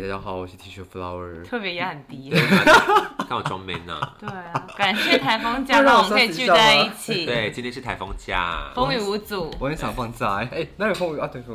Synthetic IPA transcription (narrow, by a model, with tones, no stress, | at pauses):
t̪a˥˩ja˥xɑ˨˩˦wɔ˨˩ɕ̩ʰ˧˥˩t̪ʰi˧˥˩ʂʰu˥˩fla˧ʊə˨˩t̪ʰɤ˥˩pjɛ˧˥jɛ˧˥xə˨˩nt̪i˥e˥˩˨ka˥˧wɔ˨˩ʈ͡ʂwɑ̰˧˥ŋmḭ˧˥nə̰˧we˥˩ɪ˧ka˨˩nɕjɛ˥˩t̪ʰa˧˥ɪfɑ˥ŋt͡ɕja˥˧˥ɔ˨˩kʰe˥˩˥t͡ɕy˥˧˥a˥˧ɪi˥˩t͡ɕʰi˨˩t̪we˥˩ɪt͡ɕi˥tʰjɛ˥ʂɻ̩˥˩t̪ʰa˧˥ɪfɑ˥ŋt͡ɕja̰˥˩fo˥ŋy˨˩u˧˥t͡su˨˩wɔ˨˩ɛ˧˥nɕjɑ˨˩ŋfɑ˥˧ŋt͡sa˥˩ɪe˥˩na˥˩jo˨˩fo˥ŋy˨˩a˥˩t̪ʰo˥˩f